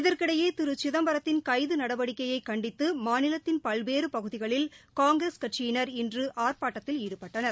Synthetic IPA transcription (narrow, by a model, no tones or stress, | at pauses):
ɪðɐɾkɪɽɐjeːt̪ɪɾɯt͡ʃɪðɐmbɐɾɐt̪ːɪnkɐɪðɯnɐɽɐʋɐɽɪkːɐjɐɪkːɐɳɖɪt̪ːɯmaːnɪlɐt̪ːɪnpɐlʋeːɾɯpɐɣɯðɪɣɐɭɪlkaːŋɡɾɐskɐʈʂɪjɪnɐɾɪndrɯʔaːrpaːʈːɐt̪ːɪliːɽɯpɐʈːɐnɐɾ